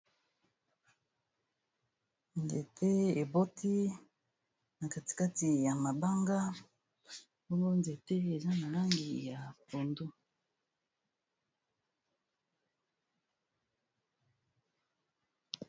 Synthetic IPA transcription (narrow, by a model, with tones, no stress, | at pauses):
ndḛ˨tʰe˦e˨bo˦tʰi˦ | na˨ka˨ti̥˨ka˦ti˨ja˨ma˨ba˦ŋɡa˦ | o˦ŋo˦nde˨te˦e˨za˦na˨la˦ŋɡḭ˨ja˨po˨ndo˦